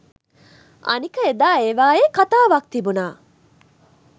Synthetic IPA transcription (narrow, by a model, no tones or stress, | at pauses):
ɐ̰nikəed̪aːeʋaːeːkat̪aːʋak̚t̪ibunaː